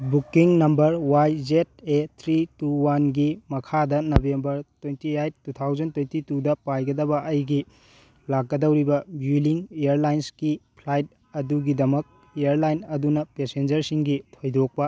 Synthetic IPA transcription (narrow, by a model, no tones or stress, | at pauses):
bukːiŋnɐmbɐɾwajd͡ʒet̚et̪ʰɾituwanɡimɐkʰadɐnobembɐɾtwentiajt̚tut̪ʰawzɐntwejntitudɐpajɡɐdɐbɐʔɐjɡi | lak̚ɡːɐdɐwɾibɐbjuliŋeeɾlajnsɡipʰlajt̚ | ɐduɡidɐmɐk̚ | eɐɾlajnɐdunɐpesend͡ʒɐɾsiŋɡitʰojdok̚pɐ